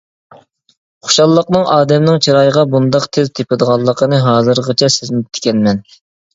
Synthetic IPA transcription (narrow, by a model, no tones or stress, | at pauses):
χo̥ʃɑlˠːəqnɨŋɑːd̪ɛmnɨŋt͡ʃʰiɾɑjəʁɑbund̪ɑqt̪ʰezt̪ʰepɪd̪əʁɑlˠːəqʰənɨɦɑːzɨɾʁət͡ʃʰɛsɪzmɪt̪ʰɪ̥kʲɛnmɛn